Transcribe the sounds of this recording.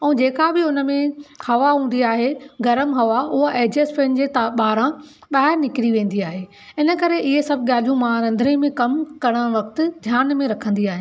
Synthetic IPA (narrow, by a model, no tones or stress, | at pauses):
ɛ̃ːd͡ʑeːkabɪʊnəmẽhɐʋaɦũːn̆d̪iaːɦeɡɐɾəmɦɐʋaʊɦaʔeːd͡ʑespɐ̃ɦɪnɪ̆d͡ʑeːt̪aɓaːɾã | ɓaːɦɪɾnɪkɪɾiʋẽːn̆d̪iaːɦe | ɪnə̆kɐɾeʔɪɦesɐbʱɠaːl̤ijũmãːɾɐ̃nd̪ʱɾẽmẽkɐmkɐɽ̃əɽ̃ʋɐkt̪ɪ̆d̪ʱjaːnmẽɾɐkʰə̃nd̪iaːɦɪ